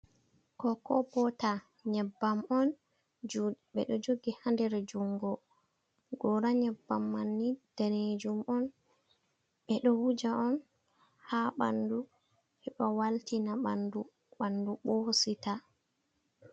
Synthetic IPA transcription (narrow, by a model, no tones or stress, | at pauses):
kɔkɔbɔta | ɲɛbːamɔn | d͡ʒɓɛ̰ɗɔd͡ʒoɡihandɛɾɛd͡ʒuŋɡɔ | ɡɔɾaɲɛbːamːanːid̥aned͡ʒumɔn | ɓɛɗɔwud͡ʒaʔɔn | haɓa̰ndu | hɛɓɔwaltinaɓa̰ndu | ɓanduɓɔhsita